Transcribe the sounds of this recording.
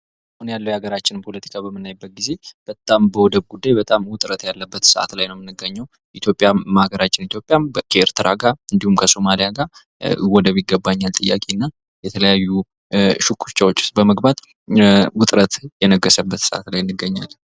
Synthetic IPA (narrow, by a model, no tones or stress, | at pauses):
ʔahunjalːəwjaɡəɾat͡ʃːɪnmpʰo̞lət̪ʰi̥kʰabəmːɨnːajbːət̪̚ɡize̞b̥ət̪ʼambəwɔd̪əbɡud̪ːajbət̪ʼamwʊt̪ʼɾət̪jalːəbːət̪səʔa̰t̪lajnəwmɨnːɨɡːəɲːəw | ʔʔit̪jo̞pʼːjamahɡəɾat͡ʃːɪnit̪ʰjopʼːjamkʰəeɾt̪ʰɨɾaɡaɨnd̪ihumkʰəso̞malijaɡa | wɔd̪əβjɪɡːəbːaɲːalt̪ʼɨjːa̰kʼenːa | jɛt̪ʰələjajːu | ʃukʰːu̥t͡ʃːawo̞t͡ʃːɪ̥bəməɡbat̪ | wʊt̪ʼɾət̪jɛnəɡːəsəbːət̪səʔa̰t̪lajɨnːɨɡːəɲːalː